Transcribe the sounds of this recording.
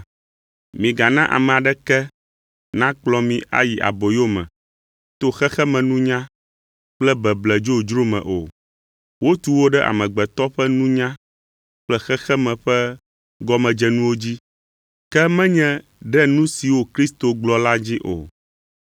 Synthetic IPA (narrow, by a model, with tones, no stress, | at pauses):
mĩ˨ɡa˨nã˦ʔa̰˨mɛ̃˨a˨ɖɛ˦kɛ˦ | nã˦k͡plɔ˦mĩ˦ʔa̰˨ji˨ʔa̰˨bo˨jo˦mɛ̰̃˨ | t̪o˦xɛ˦xɛ˦mɛ̃˨nũ˦ɲã˦ | k͡plɛ˦bɛ˨blɛ˨d͡ʒo˦d͡ʒɾo˦mɛ̰̃˨ʔo̰˨ | wo˦t̪u˨wo˦ɖɛ˦ʔa̰˨mɛ̃˨ɡ͡bɛ˨t̪ɔ˦ɸɛ˦nũ˦ɲã˦ | k͡plɛ˦xɛ˦xɛ˦mɛ̃˨ɸɛ˦ | ɡɔ˦mɛ̃˨d͡ʒɛ˦nũ˦wo˦d͡ʑi˦ | kɛ˦mɛ̃˦ɲɛ̃˦ | ɖɛ˦nũ˦si˨wo˨kɾi˦st̪o˨ɡ͡blɔ˨la˦d͡ʑi˦ʔo̰˨